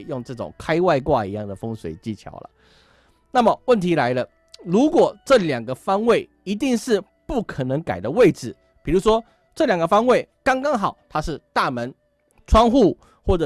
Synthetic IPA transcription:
jo˥˧ŋʈ͡ʂɤ˥˩ʈ͡ʂʊ̰˨˩ŋkʰa˥ɪwa˥˧ɪkwa˥˧i˧˥jɑ˥˩ŋd̪ə˩fə˥ŋswe˨˩ɪt͡ɕi˥˩t͡ɕʰjɑ̰˨˧˥ʊlə̰˨ | na˥˩mə˨˩wə˥˩nt̪ʰi˨˥la˧˥ɪlə˧ | lu˧˦˥kwɔ˨˩ʈ͡ʂɤ˥˨ljɑ˨˩ŋɡə˦fɑ˥ŋwe˥˩ɪ | i˧˥t̪i˥˧ŋʂɻ̩˥˧ | pu˥˩kʰə˨˩nə˧˦˥ŋka˨˩ɪd̪ə˦we˥˩ɪʈ͡ʂɻ̩˨˩ | pi˨˩ɻu˧˥ʂwɔ˥ | ʈ͡ʂɤ˥˩ljɑ˨˩ŋɡə˧fɑ˥ŋwe˥˩ɪkɑ˥ŋkɑ˥ŋxɑ˨˩ʊt̪ʰa˥ʂɻ̩˥˧t̪a˥˩mə˧˦n | ʈ͡ʂʰwɑ˥ŋxu˥˩ | xwɔ˥˩ʈ͡ʂə˨˩

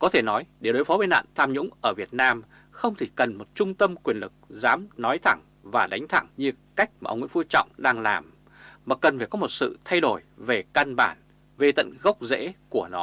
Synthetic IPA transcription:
kɔ˨˦t̪ʰe˧˩nɔ˨˦jɗe˧˩ɗo˨˦jfɔ˨˦vəː˨˧˦na̰ː˧˨nt̪ʰaː˧mɲʊ̰˧˥ŋ͡mʔəː˧˩vi˨˩ət̚naː˧m | xə˧wŋ͡mt̪ʰi˧˩kə˨˩nmo˨˩t̚t͡ɕʊ˧ŋ͡mt̪ə˧mkwi˨˩ənlɨ˨˩k̚zaː˨˦mnɔ˨˦jt̪ʰa˧˩ŋ | vaː˨˩ɗa˨˦jŋ̟t̪ʰa˧˩ŋɲɨ˧ | ka˦˥jk̚maː˨˩ʔə˧wŋ͡mw̰fu˧t͡ɕɔ̰˧˨wŋ͡mɗaː˧ŋlaː˨˩m | maː˨˩kə˨˩nfaː˨˩jkɔ˨˦mo˨˩t̚sɨ̰˧˨t̪ʰa˧jɗo˧˩jve˨˩ka˧nɓaː˧˩n | ve˧t̪ə̰˧˨nɣə˦˥wk͡p̚zḛ˧˥ku˧˩ənɔ˨˦

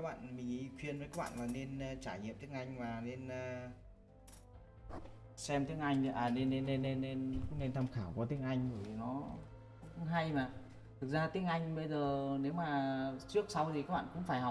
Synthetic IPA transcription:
a˦˥k̚ɓa̰ː˧˨nmï˨˩ŋ̟ʔi˧kwi˧ənvə˨˦kaː˦˥k̚ɓa̰ː˧˨laː˨˩ne˧n˧t͡ɕaː˧˩jɲḭ˧˨mt̪i˦˥ək̚ʔa˧jŋ̟maː˨˩ne˧nː˧ | sɛ˧mt̪i˨˦˥ək̚ʔa˧jŋ̟aː˨˩ne˧n˧e˧ne˧nːe˧n˧kʊ̰˧˥ŋ͡mne˧nt̪ʰa˧mxaː˧˩wkɔ˨˧˦t̪ï˨˧˥əŋʔa˧jŋ̟ɓəː˧˩jnɔ̰˨˦˨ | kʊ˧˥ŋ͡mɦa˧jmaː˨˩ | t̪ʰɨ˨˩k̚zaː˧t̪ï˨˦˥əŋʔa˧jŋ̟ɓə˧jzəː˨˩ne˨˦wmaː˨˩t͡ɕɨ˦˥ək̚sa˧wt̪ʰi˨˩kaː˦˥k̚ɓa̰ː˧˨˧kʊ̰˧˥ŋ͡mfaː˧˩jha˨˩w̚

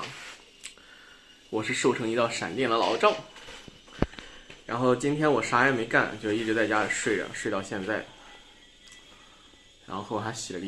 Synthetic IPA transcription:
wɔ˨˩ʂɻ̩˥˧ʂo˥˩ʊʈ͡ʂʰɤ˧˥ŋi˧˥t̪ɑ˥˩ʊʂa̰˨˩nt̪jɛ˥˩nd̪ə˨lɑ˧˥ʊʈ͡ʂɑ˥˩ʊ | ɻa̰˧˥nxo˥˩ʊt͡ɕi˥nt̪ʰjɛ˥nwɔ˨˩ʂa˥a˧˥ɪme˧˥ɪka˥˩n˨˩t͡ɕo˧˥ʊ˧i˥˩ʈ͡ʂɻ̩˧˥t͡st͡ɕja˥d̪ə˨˩ʂwe˥˩ɪɻə̰˨˩ʂwe˥˧ɪt̪ɑ˥˧ʊɕjɛ˥˧nt͡sa˥˩ɪ | ɻa̰˧˥nxo˥˧xo˥˧ʊ˨˩t̪ʰa˥ɕi˨˩lə˧˥˧

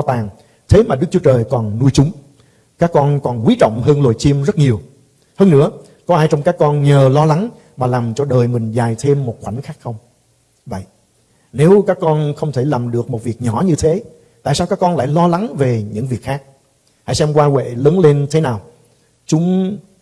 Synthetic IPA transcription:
t̪aː˨˩ŋ | t̪ʰe˨˦maː˨˩ɗɨ˦˥k̚t͡ɕu˨˦ə˦t͡ɕəː˨˩jkɔ˨˩nnu˧jt͡ɕʊ˨˦ŋ͡m | kaː˦˥kːɔ˧nkɔ˨˩nkwi˨˦t͡ɕɔ̰˧˨wŋ͡mɦəː˧nlo˨˩jt͡ɕi˧mzə˦˥t̚ɲi˨˩əw | həː˧nːɨ̰˧˥ə | kɔ˨˦ʔaː˧jt͡ɕɔ˧wŋ͡mkaː˦˥kːɔ˧nɲəː˨˩lɔ˧la˨˦ŋ | maː˨˩laː˨˩mt͡ɕɔ˧ɗəː˨˩jmï˨˩ŋ̟zaː˨˩jt̪ʰe˧mːo˨˩t̚xwa˧˩jn̟xaː˦˥k̚xə˧wŋ͡m | və̰˧˨j | ne˨˦wkaː˦˥kːɔ˧nxə˧wŋ͡mt̪ʰe˧˩laː˨˩mɗɨ˨˩ək̚mo˨˩t̚vi˨˩ək̚ɲɔ˧˩ɲɨ˧t̪ʰe˨˦ | t̪a̰ː˧˨jsaː˧wkaː˦˥kːɔ˧nla̰ː˧˨jlɔ˧la˨˦ŋve˨˩ɲɨ̰˧˥ŋvi˨˩ək̚xaː˦˥k̚ | ha̰˧˥jsɛ˧mkwaː˧wḛ˧˨ləː˨˦nle˧nt̪ʰe˨˦naː˨˩w | t͡ɕʊ˨˦ŋ͡m

